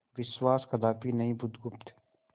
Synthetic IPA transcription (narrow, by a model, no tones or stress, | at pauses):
ʋɪswaːskɐd̪aːpinɐɦĩbʊd̪ɡʊpt̪ɛ̥